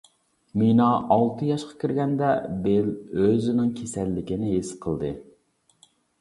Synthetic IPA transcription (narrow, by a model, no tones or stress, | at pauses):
minɑʔɑlˠt̪ʰɨjɑʃqʰɑ̥kʲʰiɾɡʲɛnd̪ɛbeløzɪnɪŋkʲʰesɛlːɪkʲɪnɪɦesqʰəlˠd̪ɨ